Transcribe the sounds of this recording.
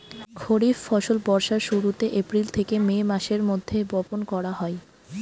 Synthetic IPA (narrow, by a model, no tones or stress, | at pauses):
kʰoɽiffɔʃolpɔɾʃaɾʃuɾut̪eʔepɾilt̪ʰekememaʃeɾmod̪ʱːebɔponkɔɾaɦɔe